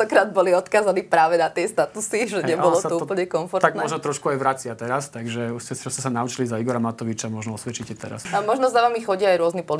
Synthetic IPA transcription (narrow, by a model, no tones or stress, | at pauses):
ɔkɾaːd̪̚bɔliɔt̪kaːzanipɾaːʋɛnat̪ɪɛst̪at̪usiʒɛɲɛbɔlɔt̪uuːpl̩ɲɛkɔɱfɔɾt̪aɡ̪mɛɔʒnɔt̪ɾɔʃkuajʋɾat͡sɪat̪ɛɾast̪aɡʒɛuscɛt͡ʃɔscːɛsanaut͡ʃilizaiɡɔɾamat̪ɔʋit͡ʃamɔʒnɔɔsʋɛt͡ʃicɛt̪ɛ̰ɾa̰samɔʒnɔzaʋamixɔɟɪaːjɾʊɔznipɔli